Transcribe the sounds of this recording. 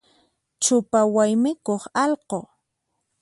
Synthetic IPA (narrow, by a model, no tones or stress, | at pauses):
t͡ʃʊpawajmɪkoχɑlqoː